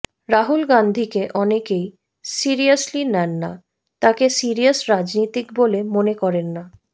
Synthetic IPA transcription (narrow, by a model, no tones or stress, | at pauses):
ɾaɦulɡand̪ʱikeʔɔnekej | siɾiaslinɛnːa̰ | t̪akesiɾiasɾad͡ʑnit̪ikbolemonekɔɾenːa